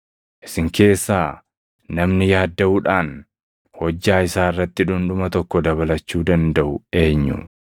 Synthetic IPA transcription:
ʔɪ̥sɪŋkʰe̞ːsːaː | nɐmnɪjaːd̪ːɐuᶑaːn | hɔd͡ʒːaːɪsaːɪrːɐt̪ːɪᶑʊnᶑʊmɐt̪ɔkːɔd̪ɐβɐlɐt͡ʃːuːd̪ɐnd̪ɐʔʊe̞ːɲːʊ̰

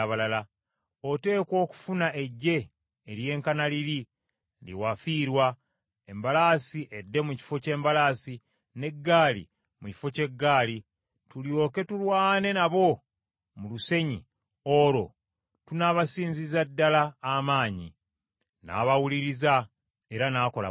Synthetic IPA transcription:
aβalala | ote̞ːko̞ːku̥funaʔe̞ɟːe̞ː | ɾje̞ːŋkanaliɾi | ndḭwafiːɾwa | e̞mbalaːsiʔe̞dːe̞muci̥fo̞ce̞ːmbalaːsi | ne̞ɡːaːlḭ | muci̥fo̞ce̞ɡːaːli | tuljo̞ːke̞tulwaːne̞naβo̞ | muluse̞ɲi | o̞ɾo̞̰ | tunaβasiːnzizadːalaːmaːɲḭ | na̰ːβawuliɾiza | e̞ɾanaːko̞la̰

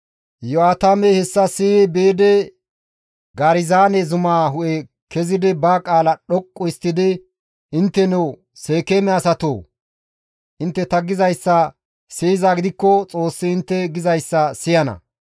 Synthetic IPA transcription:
jɔaːt̪aːmɛhɛsːɐsɪːɛbe̞ːd̪ɛ | ɡaɾɪzaːnɛzʊmaːɦʊʔɛ | kʰɛzɪd̪ɪbaːkʼaːlɐɗɔkʼːɔɪst̪ːɪd̪ɪ | ɪnt̪ːɛnɛw | seːkeːmɛɐsɐt̪o̰ː | ʔɪnt̪ːɛt̪ɐɡɪzɐjsːɐ | sijzaːɡɪd̪ɪkːɔt͡sʼo̞ːsːɪɪnt̪ːɛɡɪzɐjsːɐsɪjɐnɐ̰

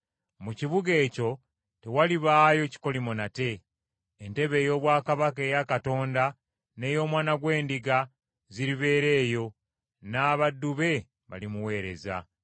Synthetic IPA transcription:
muciβuɡe̞ːco̞ | te̞waliβaːjo̞ci̥ko̞limo̞nate̞ː | nte̞βe̞ːjo̞ːβwaːkaβake̞ːjakato̞ːnda | ne̞ːjo̞ːmwaːnaɡwe̞ːndiɡa | ziɾiβe̞ːɾe̞ːjo̞ | naːβadːuβe̞ | βa̰limuwe̞ːɾe̞̰za̰

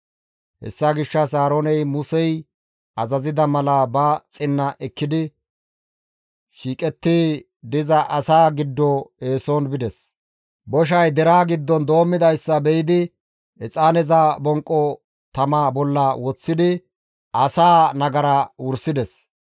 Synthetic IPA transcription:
hɛ̰sːaɡɪʃːɐsaːɾonɛjmʊsɛj | ɐzɐzɪd̪ɐmɐlɐbɐt͡sʼɪnːɐʔɛkːɪd̪ɪ | ʃiːkʼɛt̪ːɪ | d̪ɪzɐʔɐsaːɡɪd̪ːɔe̞ːsɔnbɪd̪ɛs | bɔʃ̬ɐjd̪ɛɾaːɡɪd̪ːɔnd̪o̞ːmːɪd̪ɐjsːɐbɛjɪd̪ɪ | ɛt͡sʼaːnɛzabɔŋkʼːɔ | t̪ɐmaːbɔlːɐwɔt͡sːɪd̪ɪ | ɐsaːnɐɡɐɾɐwʊɾsɪd̪ɛs

